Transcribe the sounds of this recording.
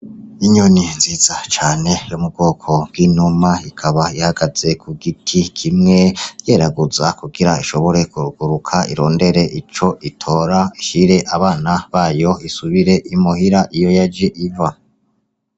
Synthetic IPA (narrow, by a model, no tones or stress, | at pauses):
iɲoninziːz̥at͡ʃaːne̞jomub̚ɡo̞ːkʰo̞bwɡiːnumaikʰaβaihaɡ̥az̥e̞kʰuɡitʰikʰimŋe̞je̞ːɾaɡuzakuɡiɾaiʃo̞βo̞ɾe̞kuɾuɡ̥uɾukʰaḭɾo̞ːnde̞ɾe̞ʔit͡ʃo̞ʔitʰo̞ːɾaiʃiɾe̞ʔaβaːnaβaːjo̞isuβiɾe̞ʔimuhiɾaʔijo̞jad͡ʒeʔivwa